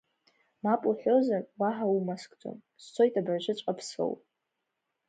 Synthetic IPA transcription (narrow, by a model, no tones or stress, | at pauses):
mapʼuħʷo̞zarwaħaumaskʼd͡zʼo̰m | st͡sʷʰo̞jtʼabraʒʷɨt͡ʃʷʼqʼapʰso̰wpʼ